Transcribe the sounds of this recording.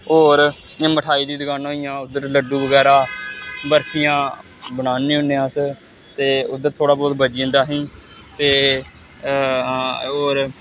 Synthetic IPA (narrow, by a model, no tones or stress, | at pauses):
oːɾ | ãːməʈʰaːiːd̪iːd̪əɡaːnaoijãːʊd̪əɾləɖũːbəɡɛːɾaːbəɾkʰijãː | bənaːnĩːɦʊnːeːãːs | t̪eːʊd̪ːəɾt̪ʰoːɽaːbɔːt̪bəd͡ʒiːə̃nd̪aːɦĩː | t̪eː | oːɾ